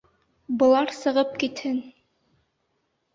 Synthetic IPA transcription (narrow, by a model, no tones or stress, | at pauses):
bɤ̆lˠɑɾsɤ̆ʁɤp̚kit̪hɘn